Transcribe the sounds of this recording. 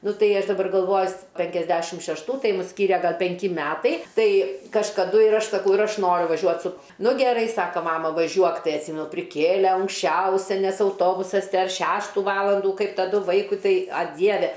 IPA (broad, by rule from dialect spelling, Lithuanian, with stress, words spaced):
ˈnʊ ˈtɐɪ ˈɐʃ dɐˈbɐr ɡɐlˠˈʋoːjʊ s pʲɛŋʲkʲɛzʲˈdʲæːʃʲɪm ʃʲɛʃˈtuː ˈtɐɪ ˈmʊs ˈsʲkʲiːrʲɛ ˈɡɐlˠ pʲɛŋʲˈkʲɪ ˈmʲæːtɐɪ ˈtɐɪ kɐʃkɐˈdʊ ɪr ˈɐʃ sɐˈkɐʊ ɪr ˈɐʃ ˈnoːrʲʊ ʋɐˈʒʲuɔt sʊ ˈnʊ ɡʲɛˈrɐɪ ˈsɑːkɐ ˈmɑːmɐ ʋɐˈʒʲuɔk ˈtɐɪ ɐtʲˈsʲiːmʲɛnʊ pʲrʲɪˈkʲeːlʲeː ɐŋksʲˈt͡ʃʲɛʊsʲɛ nʲɛs ɐʊˈtoːbʊsɐs ˈdɐr ˈʃʲæːʃtuː ˈʋɑːlˠɐnduː ˈkɐɪp tɐˈdʊ ˈʋɐɪkʊɪ ˈtɐɪ ɐ ˈdʲiɛʋʲɛ